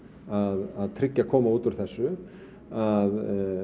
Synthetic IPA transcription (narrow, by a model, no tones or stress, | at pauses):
aðaðt̪ʰɾɪcːakʰɔːmauːt̪ʏɾ̥θɛsːʏ | að